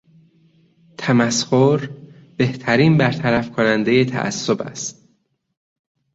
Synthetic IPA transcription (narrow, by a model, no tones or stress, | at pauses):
t̪ʰæmæshoɾ | be̞ht̪ʰæɾiːnbæɾt̪ʰæɾæfkʰonænd̪e̞jet̪ʰæ̰ʔæ̰sːobæ̰st̪̚